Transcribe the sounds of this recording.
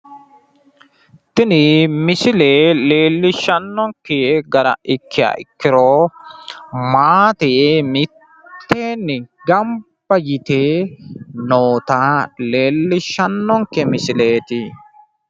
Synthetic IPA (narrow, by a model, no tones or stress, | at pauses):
t̪ɪnɪmɪsɪleːle̞ːlːɪʃɐnːɔŋkːɛɡɐɾɐ̰ʔɪkːɪja̰ːʔɪkːɪɾoː | maːt̪ejmɪtt̪ːeːnːɪɡɐmbbɐjɪt̪e | noːt̪aleːlːɪʃɐnːɔŋkɛmɪsɪleːt̪ɪ